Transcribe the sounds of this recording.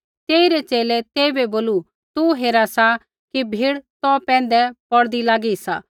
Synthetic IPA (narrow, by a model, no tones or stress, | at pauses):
t̪eːiɾɛt͡ʃeːlɛt̪eːibɛboːlu | t̪uɦeːɾasa | kibʱiːɽt̪ɔpɛ̃ːn̆d̪ɛpɔɽd̪ilaːɡisaː